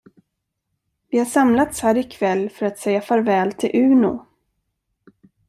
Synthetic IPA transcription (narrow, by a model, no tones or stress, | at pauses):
vɪhaʂamlat̪shæːɾɪkʰvɛlːfœɾat̪sɛjːafœɾvɛːlt̪ʰɪlʔʉ̟ːnʊ̰